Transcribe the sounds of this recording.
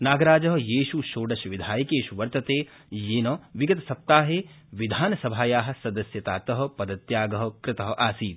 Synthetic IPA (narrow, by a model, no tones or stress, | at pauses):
naːɡɐɾaːd͡ʒɐɦɐ̆jeːʃuʃoːɖɐʃʋid̪ʱaːjɐkeːʃuʋɐɾt̪ɐt̪eː | jeːnɐʋiɡɐt̪ɐsɐp̚t̪aːɦeː | ʋid̪ʱaːnɐsɐbʱaːjaːɦɐ̆sɐd̪ɐsjɐt̪aːt̪ɐɦɐ̆pɐd̪ɐt̪jaːɡɐɦɐ̆kɾɪt̪ɐɦɐ̆ʔaːsiːd̪̚